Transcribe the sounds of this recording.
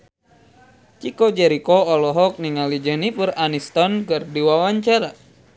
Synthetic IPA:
t͡ʃikɔd͡ʒɛɾikɔɔlɔɦɔk̚niŋalid͡ʒənipɨɾanist̪ɔnkɨrdiwawaɲt͡ʃaɾa

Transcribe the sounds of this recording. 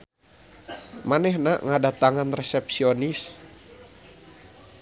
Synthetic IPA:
manɛhnaŋadat̪aŋanrɛsɛp̚sionis

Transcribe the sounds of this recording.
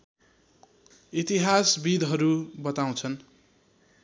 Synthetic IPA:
it̪iɦasbid̪ɦʌɾubʌt̪aw̃t͡sʰʌn

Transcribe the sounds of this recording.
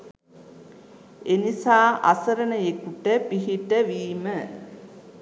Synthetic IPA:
enisaːʔa̰səɾənəjekuʈəpiɦiʈəʋiːmə

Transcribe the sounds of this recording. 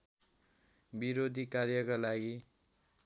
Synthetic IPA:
biɾod̪ʱikarjʌkalaɡi

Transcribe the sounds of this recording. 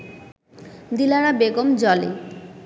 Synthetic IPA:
d̪ilaɾabeɡomd͡ʑɔlḛ

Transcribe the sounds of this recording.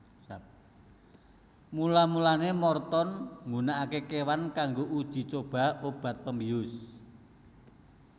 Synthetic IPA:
sap̚ | mulamulanemɔrt̪ɔnŋɡunaʔakekewankaŋɡoʔud̥ʒ̥i̤t͡ʃob̥a̤ob̥ä̤t̪̚pəmbiʊs

